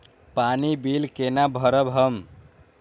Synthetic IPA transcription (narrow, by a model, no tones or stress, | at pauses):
panibilkenabʱəɾəbɦəm